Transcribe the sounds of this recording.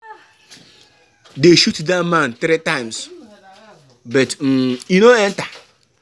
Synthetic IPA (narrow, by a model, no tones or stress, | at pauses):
deʃutdamãn̩t̪ɾitaɪms | bʌtm̩inoɛn̩ta